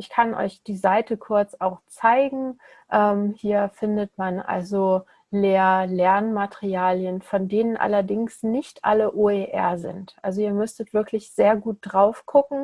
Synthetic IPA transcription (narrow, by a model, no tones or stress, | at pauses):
ʔɪçkʰanʔɔ̰ʏçd̥iːzaɪtəkʰʊɐt͡saʊxt͡saɪɡŋ̩ | ʔɛːmhiːɐfɪndətmanʔa̰lzo | leːɐlɛɐnmatʰəʁiaːljənfɔndeːnənʔa̰lɐdɪŋsnɪçtʔa̰ləʔoːeːʔɛ̰ɐzɪ̰ntʔalzoiːɐmʏstətv̥ɪɐklɪçz̥eːɐɡuːt̚d̥ʁaʊfɡ̥ʊkŋ̩